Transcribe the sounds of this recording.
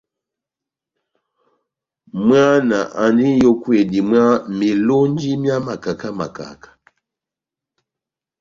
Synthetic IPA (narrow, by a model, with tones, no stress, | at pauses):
mɰa˦na˨ʔa˨ndi˦jo˦kwe˨di˨mwa˦mi˨lo˦n˦d͡ʒi˦mja˦ma˨ka˨ka˦ma̰˨ka̰˨kḁ˦